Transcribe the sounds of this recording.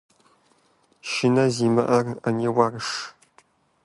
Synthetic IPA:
ʃɪnɐziːmɐʔɐrɐnewaːrɨʂ

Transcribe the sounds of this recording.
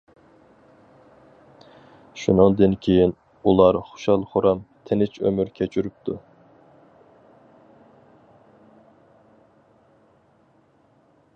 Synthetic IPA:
ʃunɨŋd̪ɨnkʲʰejin | ulˠɑɾχo̥ʃɑlˠχuɾɑmt̪ʰenɪt͡ʃʰø̰myɾkʲʰɛt͡ʃʰyɾyp̚t̪ʰu

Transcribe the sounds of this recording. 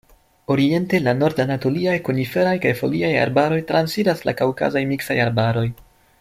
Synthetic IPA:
o̞ɾie̞nte̞lano̞ɾdanato̞liajkonife̞ɾajkajfo̞̰liaja̰ɾbaɾo̞jtɾansidasla̰kawka̰zajmiksajaɾbaɾo̞j

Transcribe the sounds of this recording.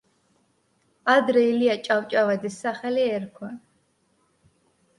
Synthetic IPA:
ad̪ɾɛiliat͡ʃʼawt͡ʃʼavɛd̪isːaχɛliɛɾkʰwan

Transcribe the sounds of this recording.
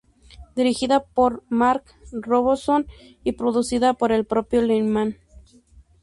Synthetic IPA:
d̪iɾixiðapoɾmaɾk | roβoson | ipɾoðusiðapoɾelpɾopjolinman

